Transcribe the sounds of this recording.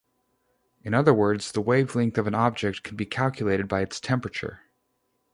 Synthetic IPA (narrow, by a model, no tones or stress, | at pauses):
ɨ̃ñʌðə˞wɜ˞dz̥ðəweɪvlɪ̃ŋk̚θʌvɨ̃nɑb̚d͡ʒɛk̚t̚kʰn̩bikʰælˠkʰjəleɪɾɨd̚baɪɨtstʰɛ̃mpɹɨt͡ʃə̰˞